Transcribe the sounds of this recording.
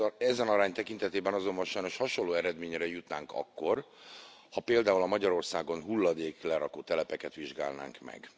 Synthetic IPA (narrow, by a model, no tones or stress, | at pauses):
ɛzɛnɒɾaːɲt̪ɛkint̪ɛt̪eːbɛnɒzo̞mbɒnʃɒjno̞ʃhɒʃo̞lːoːɛɾɛd̪meːɲɾɛjut̪naːŋkɒ̰kːo̞r | hɒpeːld̪aːulɒmɒɟɒɾo̞rsaːɡo̞nɦulːɒd̪eːklɛɾɒkoːt̪ɛlɛpɛkɛt̪ʋiʒɡa̰ːlna̰ːŋkmɛ̰ɡ